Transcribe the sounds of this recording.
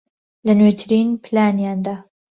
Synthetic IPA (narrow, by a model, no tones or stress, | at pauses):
lɐnet̪ʰɨɾiːnpʰlaːnjaːnd̪aː